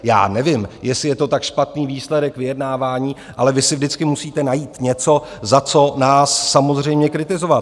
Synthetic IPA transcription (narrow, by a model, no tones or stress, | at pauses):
ja̰ːnɛvɪmjɛsɪjɛt̪o̞t̪akʃpat̪niːviːslɛdɛkvɪjɛdnaːvaːɲiː | ʔalɛvɪsɪvdɪt͡skɪmusiːt̪ɛnajiːt̪ɲɛt͡so̞zat͡so̞naːsːamozr̝ɛjmɲɛkɾɪt̪ɪzo̞va